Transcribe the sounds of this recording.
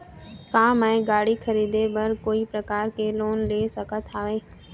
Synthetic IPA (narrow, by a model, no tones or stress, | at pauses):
kaːmɛ̃ẽɡaːɽikʰəɾiːd̪ebɐɾkoːipɾəkaːɾkeloːnleːsəkət̪aːʋeː